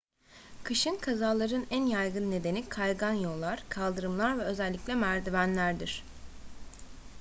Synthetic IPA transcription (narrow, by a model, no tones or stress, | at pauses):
kʰɯʃɯnkʰazaːlˠaɾɯnænjajɡɯnːe̞d̪e̞nikʰajɡanjo̞lˠːaɾ̥kʰalˠd̪ɯɾɯmlˠaɾvɛø̞zælʲːiclʲɛmæɾd̪ivænlʲæɾd̪iɾ̥